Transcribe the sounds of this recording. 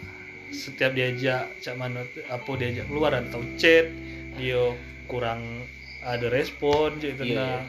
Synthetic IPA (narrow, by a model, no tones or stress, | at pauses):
sət̪iap̚diad͡ʒaʔt͡ʃaʔmanot̪apodiad͡ʒakəluaɾadat̪aut͡ʃɛt̪̚ | dio | kuɾaŋ | adaɾɛspɔnd͡ʒoit̪̬una